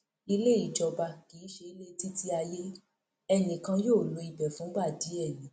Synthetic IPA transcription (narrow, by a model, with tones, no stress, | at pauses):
i˧le˦˨i˦˨d͡ʒɔ˧ba˧ki˨˦ʃe˧i˦le˦˧ti˦ti˦a˧je˦ | ɛ˧˨nĩ˨kã˧joː˦˨lo˧i˧bɛ˨fũ˨˦ba˦˨di˨˦ɛ˦˨nĩ˨˦